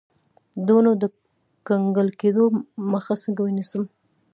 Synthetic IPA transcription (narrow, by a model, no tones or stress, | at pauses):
d̪onod̪ə | kaŋɡəlked̪oməxasəŋɡawənisəm